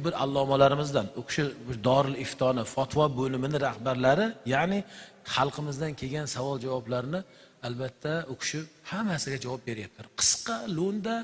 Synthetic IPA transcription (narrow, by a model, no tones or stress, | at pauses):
bɪɾa̰lˠːɒmalaɾɪmɪzd̪anokʰʃɪd̪ɒɾɪlɪft̪ʰɒnɪfɒt̪ʰvɒbɵlɪmɪnɪɾahbaɾlaɾɪjaʕnɪ | χɑlˠqʰɨmɪzd̪ankʲʰe̞ɡʲansavɒlˠd͡ʒavɒblaɾɪnɪ | albat̪ʰːaokʰʊ̥ʃɪphamasɪɡʲad͡ʒavɒp̚be̞ɾjap̚t̪ʰɪɾqʰɨ̥sqɑlond̪a